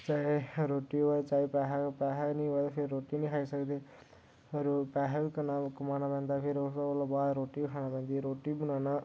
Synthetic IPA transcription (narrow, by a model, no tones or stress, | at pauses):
t͡ʃaːeɾoːʈiːoat͡ʃaːepɛːɦapɛːɦanĩːɦoad̪apʰɪɾːoːʈinəĩkʰaːisəkd̪eː | ɾpɛːɦaikənaːmkəmaːnapɛ̃ːnd̪aːpʰɪɾʊslabaːd̪ɾoːʈiːkʰaːnaːpɛ̃ːnd̪iɾoːʈibənaːnaː